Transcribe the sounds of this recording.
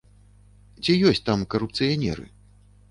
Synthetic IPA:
t͡sʲijɔsʲt͡sʲt̪amkɐɾupt̪sɨjanʲɛ̰ɾɨ̰

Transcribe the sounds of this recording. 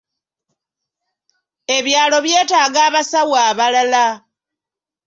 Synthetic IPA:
e̞βjaːlo̞βje̞ːtaːɡaːβasawaːβalala

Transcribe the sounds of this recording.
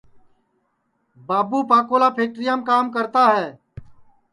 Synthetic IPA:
baːbuːpaːkoːlaːpʰeːk̚ʈɾɪjaːmkaːmkəɾt̪aːɦɛː

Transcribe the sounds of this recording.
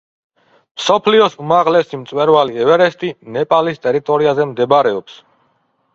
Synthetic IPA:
msɔpʰliɔsumaʁlɛsimt̪sʼwɛɾvaliɛvɛɾɛst̪ʼinɛpʼalist̪ʼɛɾit̪ʼɔɾiazɛmd̪ɛbaɾɛɔps

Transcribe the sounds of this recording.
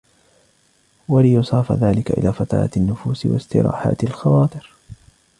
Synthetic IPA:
walɪjʊsˤɑːfaðaːlɪkaʔɪ̰lʔaːfat̪ɑ̰ɾa̰anːʊfuːsɪwa̰st̪ɪ̰ɾa̰ːħa̰ːt̪alxɑwaːt̪ˤɨɾ

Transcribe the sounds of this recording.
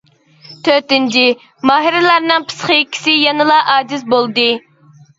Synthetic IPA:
t̪ʰøɾt̪ɪnt͡ʃʰi | mɑːɦiɾɪlˠɑɾnɨŋpʰɨ̥sχəikʲʰːsɪjɑnɨlˠɑʔɑːd͡ʒ̪ɪs̬bolˠd̪ɨ

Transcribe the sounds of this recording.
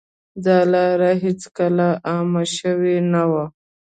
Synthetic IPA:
d̪ɑlɑɾaɦet͡skalaʔːmaʃəwenawa

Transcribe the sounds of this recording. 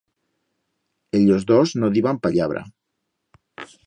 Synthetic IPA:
eʎozðoznoðiβampaʎaβ̞ɾa̰

